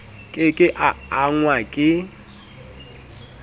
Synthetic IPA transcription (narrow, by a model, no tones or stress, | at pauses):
kʼɪkʼɪʔaːŋwakʼɪ